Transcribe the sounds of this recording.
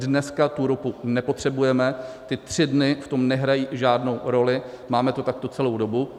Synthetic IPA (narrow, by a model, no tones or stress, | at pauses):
dnɛskat̪uɾopunɛpo̞t̪r̥ɛbujɛmɛt̪ɪt̪r̝̥ɪdnɪft̪o̞mnɛɦɾajiːʒaːdno̞wɾo̞lɪ | maːmɛt̪o̞t̪ak̚t̪o̞t͡sɛlo̞wdo̞bu